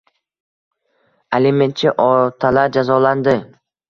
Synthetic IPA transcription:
elime̞nt̪t͡ʃʰɪʔɒt̪ʰalaɾd͡ʒazɒland̪ɪ

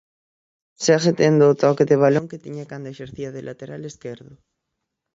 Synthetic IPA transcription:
seaxet̪end̪oːt̪ɔkeðeβ̞aloŋket̪iɲakand̪eʃeɾθiaðelʔat̪eɾaleskeɾðʊ

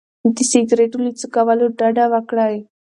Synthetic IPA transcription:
t̪isiɡɾeʈulit͡səkaʋaloɖaɖaʋakɭaːɦe

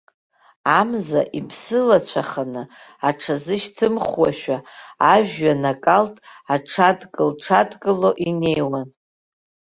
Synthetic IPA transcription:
amzaʔipʰsɨlat͡ɕʷʰaχanɨ | aʈ͡ʂʰazɨʃtʰɨmχwaʃᶣaaʒᶣːanakʼaltʼaʈ͡ʂʰadkʼɨlʈ͡ʂʰadkʼɨlo̞ʔine̞jwan

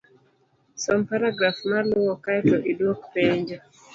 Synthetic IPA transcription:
sɔmpaɾaɡɾafmalʊwɔkajtɔʔidwokpeɲd͡ʒɔ

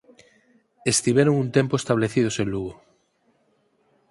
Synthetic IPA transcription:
est̪iβeɾoŋunt̪empoest̪aβleθið̞osẽnluɣo

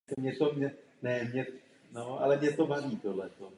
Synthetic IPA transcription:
ɛmɲɛt̪omɲɛ | nɛmɲɛ | noʔa̰lɛmɲɛt̪obavit̪odlɛt̪o

